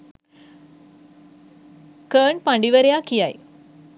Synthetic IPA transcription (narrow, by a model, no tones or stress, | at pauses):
kəɳpɐɳɖiʋɐɾejakijaj